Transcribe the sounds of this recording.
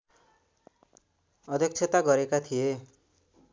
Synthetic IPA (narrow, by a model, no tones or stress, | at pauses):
ʌd̪ʱjʌk̚t͡ʃʰʌt̪aɡʌɾekat̪ʰije